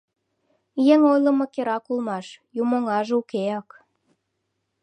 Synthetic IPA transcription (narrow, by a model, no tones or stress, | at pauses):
jeŋojlə̆məkeɾɑkulmɑʃjumoŋɑʒukeɑk